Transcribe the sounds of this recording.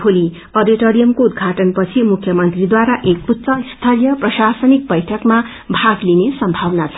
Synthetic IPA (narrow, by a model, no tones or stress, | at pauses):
pʰoli | ʌrɾdiʈoɾijʌmkoud̪ɡʱaʈʌnpʌt͡sʰimukʰjʌmʌnt̪rid̪waɾaʔekut̪sʌist̪ʰʌlijʌprʌsasʌnik̚bʌjʈʰʌkma | bʱaɡlinesʌmbʱawnat͡sʰʌ